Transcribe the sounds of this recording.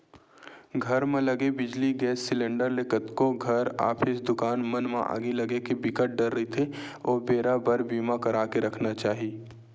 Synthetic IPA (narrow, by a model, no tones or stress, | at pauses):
ɡʱɐɾmẽlɐɡebɪd͡ʒliɡɛːsːɪlẽːɳɖəɾlekət̪koɡʱɐɾa̰ːpʰɪsd̪ʊkaːnmɐnmḛ̃ʔa̰ːɡilɐɡekebɪkəʈ̚ɖɐɾːəɦit̪ʰeoːbeːɾabəɾbiːmakɐɾaːkeɾɐkʰnat͡ʃaːɦi